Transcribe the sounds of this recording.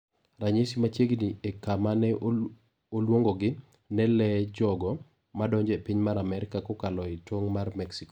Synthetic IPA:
raɲesimat͡ʃeɡniekamanɛ | olwoŋɡɔɡɪ | nɛlɛd͡ʒɔɡɔ | madɔɲd͡ʒɛpiɲmaɾamɛɾɪkakokalɔitwoŋmarmɛksikɔ̥

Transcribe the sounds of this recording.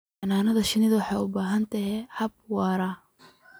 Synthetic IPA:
ɐnaːnɐðɐʃɪnɪðwɑħɑjʊbaːɦɐnt̪ʰɐɦɛhɐb̚wɑːɾɐ

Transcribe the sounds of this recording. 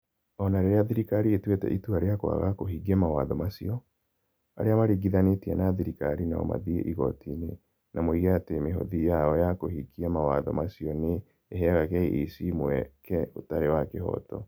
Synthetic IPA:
ɔnaɾeɾeaðiɾikaɾietwetɛ̰ʔituaɾeakwa̰ɣakohiɡiɛmawaðɔmasiɔ | a̰ɾeamaɾiɡiðanetiɛnaðiɾikaɾina̰ɔ̰ma̰ðiḛʔiɣɔ̰tine | namoiɣeatemeɦo̰ðijaɔjakohiɡiamawaðɔmasiɔneː | ɦɛɣakɛḭʔisimwɛ̰kɛotaɾewakehɔ̰tɔ̰

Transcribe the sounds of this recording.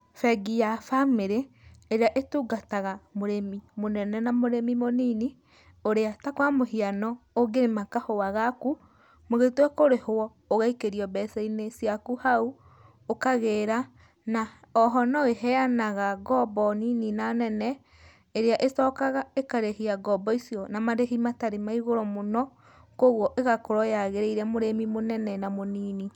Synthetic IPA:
fɛɡijafameɾeː | ɾeaʔetuːɡataɣamoɾemimonɛnɛnamoɾemimonini | oɾeatakwamohianɔoɡeɾemakahoaɣaku | moɣetwɛkoɾehoɔ | oɣaikeɾiɔbɛsɛinesiakuhau | okaɣeːɾa | naɔɦɔnɔeɦɛanaɣaɡɔbɔnininanɛnɛ | eɾeaʔesɔkaɣaekaɾehiaɡɔbɔisiɔnamaɾeɦimataɾemaiɣoɾɔmonɔ | koɣwɔʔeɣakoɾɔjaɣeɾeiɾɛmoɾemimonɛnɛnamoniːni

